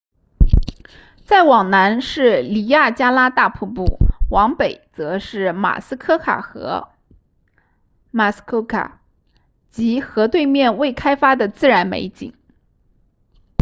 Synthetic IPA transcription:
t͡sa˥˩ɪwɑ˨˩ŋna˧˥nʂɻ̩˥˩li˨˩ja˥˩t͡ɕja˥la˥t̪a˥˧pʰu˥˧pu˥˩wɑ˧˥ŋpe˨˩ɪt͡sɤ˧˥ʂɻ̩˥˩ma̰˨˩sɹ̩˥kʰɤ˥kʰa̰˨˩xɤ̰˧˥ | ma˥˩skʰo˥kʰa̰˨˩ | t͡ɕi˧˥xɤ˧˥t̪we˥˧ɪmjɛ˥˧nwe˥˩ɪkʰa˥ɪfa˥d̪ə˨t͡sɹ̩˥˩ɻa˧˥nmḛ˧˥ɪt͡ɕḭ˨˩˦ŋ

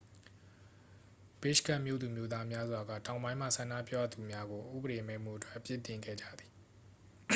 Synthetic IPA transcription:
b̥ɪ˦˨ʃka˦ʔmjo̰˦˨d̪u˨mjo˦d̪a˦mja˦zwa˨ɡä̰˦˨tã˨ʊ̃bã˦ɪ̃m̥ä̰˦˨sʰã˨na̰˦˨pja˦˨d̪u˨mja˦ɡo˨ʔṵ˦˨bəɾe˨mɛ˦˨m̥ṵ˦˨ətwɛ˦ʔpjɪ˦tɪ̃˨ŋɡɛ̰˦˨d͡ʑä̰˦˨d̪i˨

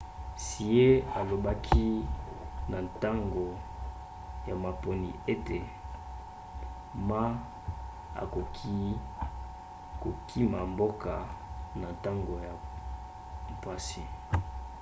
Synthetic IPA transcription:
si˨e˦a˨lo˨ba˦kʰi˦ | na˨nta˦ŋɡo˨ | ja˨ma˨po˨nḭ˨e˦te˨ | ma˦ | a̰˨ko˨kʰi˦ | ko˨kʰi˦ma˨mbo˦ka˨na˨n˨ta˦ŋɡo˨ja˨ | pwa˨si˦

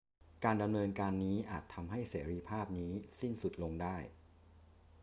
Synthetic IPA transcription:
kaː˧nda˧mnɤː˧nkaː˧nːiː˦˥ʔa̰ː˨˩t̪ʰːa˧mɦa˥˩jseː˩˦ɾiː˧pʰaː˥˩p̚niː˦˥si˥˩nsu˨˩t̪̚lo˧ŋdaː˥˩j

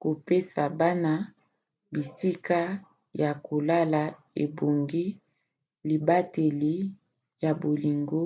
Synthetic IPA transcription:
ko˨pe˦sa˨ba˦na˦ | bi˨si˦ka˦ | ja˨ko˨la˦la˨ | ḛ˨bo˨ŋɡi˦ | li˨ba˦te˨li˦ | ja˨bo˨li˨ŋɡo˦

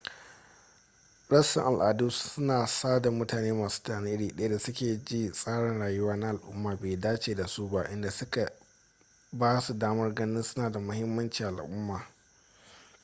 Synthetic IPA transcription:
ɽɐ˦sɪ̰˨ŋʔa˨lʔaː˨du˦sʊ˦naː˨saː˦da˨mʊ˦taː˨neː˦maː˨su̥ː˦taː˨ne˦ʔɽiː˨ɗɐ˦ja˦da˨sʊ˦kʲeː˨d͡ʒiː˦sʼaː˦ɽɪ˨nɽaː˨jʊ˦waː˦na˦ʔa˨lʔʊ̰˦mːaː˨beː˨daː˦t͡ʃeː˨da˨su˦ba̰˦ʔɪ˦nda˨sʊ˦ka˨ | baː˦su˨daː˦mɐ˦rɡɐ˦nɪ˦nsʊ˦naː˨da˨mʊ˦hɪ˦mːɐ˦nt͡ʃiː˨ʔa̰˨lʔʊ˦mːaː˨

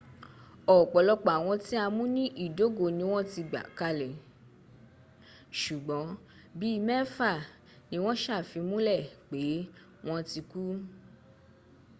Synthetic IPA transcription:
ɔ˨k͡pɔ˨lɔ˧k͡pa˨w̃ɔ̃˧ti˦a˧mũ˦nĩ˦ʔi˦˨do˨˦ɡo˨nĩ˧˦w̃ɔ̃˦ti˧ɡ͡ba̰˨ka˧le˨ | ʃu˨ɡ͡bɔ̃˨˦ | bi˦˧mɛ˦fa˦˨ | nĩ˦w̃ɔ̃˦ʃa˦˨fi˨˧mũ˦lɛ˦˨k͡pe˨˦ | w̃ɔ̃˦ti˧ku˦

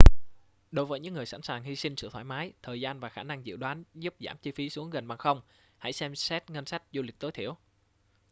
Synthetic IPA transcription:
ɗo˨˦jvəː˨˦jɲɨ̰˧˥ŋːɨ˨˩əjsa̰˧˥˩nsaː˨˩ŋhi˧sï˧ŋ̟sɨ̰˧˨t̪ʰwaː˧˩jmaː˨˦jt̪ʰəː˨˩jzaː˧nvaː˨˩xaː˧˩na˧ŋzḭ˧˨wɗwaː˨˦nzu˦˥p̚za̰ː˧˩mt͡ɕi˧fi˨˦su˨˦əŋɣə˨˩nɓaː˨˩ŋxə˧wŋ͡m | ha̰˧˥jsɛ˧msɛ˦˥t̚ŋə˧nsa˦˥jk̟̚zu˧˩lï˨˩k̟̚t̪o˨˦jt̪ʰḭ˧˩əw

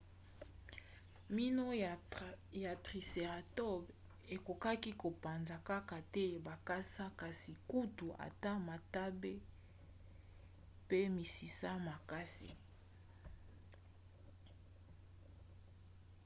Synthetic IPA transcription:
mi˦no˦ | ja˨tʁi˨se˨ʁa˨tɔ˦b | e˨ko˨ka˦ki˦ko˨pa˨nza˨ka˦ka˨tɛ˦ba˨ka˦sa˦ka˨si˨ku˦tu˨a̰˨ta˦ma˨ta˦be˦ | pe˦mi˨si˨sa˦ma˨ka˦sḭ˨

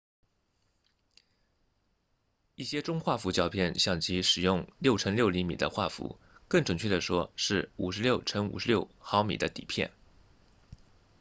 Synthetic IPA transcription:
i˥˩ɕjɛ˥ʈ͡ʂʊ˥ŋxwa˥˩fu˧˥t͡ɕjɑ˥˧ʊpʰjɛ˥˩nɕjɑ˥˩ŋt͡ɕi˧˥ʂɻ̩˨˩jʊ˥˧ŋljo˥˩ʊʈ͡ʂʰə˥ŋljo˥ʊli˧˥mḭ˨˩d̪ə̰˦xwa̰˥˩fṵ˧˥ | kɤ˥˩ŋʈ͡ʂə˨˩ŋt͡ɕʰɥɛ˥˩d̪ə˩ʂwɔ˥ʂɻ̩˥˩ṵ˨˩ʂɻ̩˧˥ljo˥˩ʊʈ͡ʂʰə˥ŋṵ˨˩ʂɻ̩˧˥ljo˥˩ʊxɑ˧˥ʊmḭ˨˩d̪ə˦t̪ḭ˨˩pʰjɛ̰˥˩n

